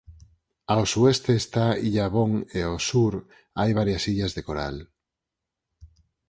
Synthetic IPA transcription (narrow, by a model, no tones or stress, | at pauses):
aosuest̪eːst̪aiʎaβoŋeosuɾ | ajβ̞aɾjasiʎazðekoɾa̰l